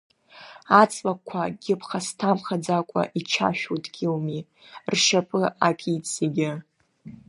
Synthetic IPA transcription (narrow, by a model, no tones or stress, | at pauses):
at͡sʼwakʷʰaɡʲɪpʰχastʰamχad͡zakʷʼa̰ʔit͡ʃʰa̰ʃᶣutʼɡʲɪlmi | rʃapʼɨakʲʼit͡sʰʼeɡʲɪ